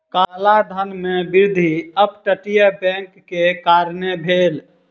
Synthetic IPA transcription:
kalad̪ʱənmebiɾd̪ʱiəbʈəʈijəbɛ̃ŋkːekaɾnebʱel

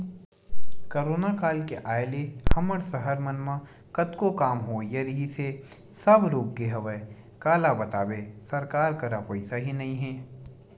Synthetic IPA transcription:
koɾoːnakaːlkeʔaːjlehɐməɽsəɦəɾmənmã | kət̪kokaːmɦoːjɐɾɦisesɐbɾoːɡɡeɦɐʋə | kaːlabɐt̪aːbesɐɾkaːɾkɐɾapɐɪsaɦinɐĩɦɛ̃ː

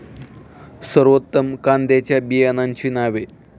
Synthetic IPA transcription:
sɐrʋɐt̪ːɐmkaːnd̪eːt͡ɕɐbiɐnaːnt͡ʃʰinaːʋe

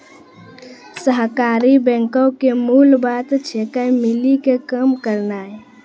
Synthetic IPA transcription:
səɦkaːɾibɛ̃ːŋkəwkemulbat̪t͡ʃʰekajmɪlikekəmkəɾnae

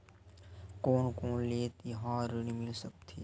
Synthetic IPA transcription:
koːnkoːnleːt̪ɦãːɾənimɪlsək̚t̪ʰiː

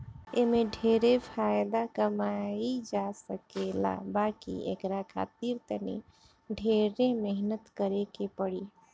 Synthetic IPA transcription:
emeɖʱeɾepʰajd̪akəmaid͡ʒasəkela̰bakḭḛkɾakʰa̰ːt̪iɾt̪ənḭ | ɖʱeɾemɛɦnət̪kəɾekepəɽi

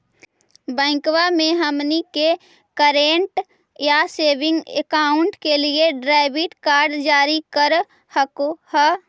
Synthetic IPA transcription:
bɛ̃ːkwamẽɦəmnike | kəɾeːɳʈ | jaseːbɪ̃ŋɡḛkaːʊɳʈkelieɖɾaːɪbɪʈkaːɾɖd͡ʒaːɾikəɾ | həkohə

